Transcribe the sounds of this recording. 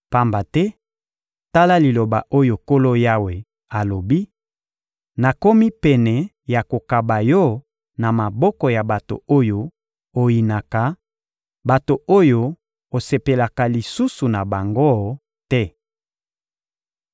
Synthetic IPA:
pa˦mba˨tɛ˦ | ta˦la˦li˨lo˨ba̰˨ʔo˦jo˨ko˦lo˦ja˦we˨ | a˨lo˨bi˦ | na˨ko˦mi˦pɛ˨nɛ˨ | ja˨ko˨ka˨ba˨jɔ˦ | na˨ma˨bɔ˦kɔ˨ja˨ba˨to̰˨o˦jo˦ | o˨ji˨na˨ka˨ | ba˨to˨o˦jo˦ | o˨se˨pe˨la˨ka˨li˨su˦su˨na˨ba˨ŋɡo˦ | tɛ˦

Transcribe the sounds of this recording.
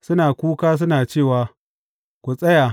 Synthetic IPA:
sʊ˦naː˨kʷuː˦kaː˦s̬ʊ˦naː˨t͡ʃeː˦˨waː˨ | kʷu˨sʼɐ˦ja˨

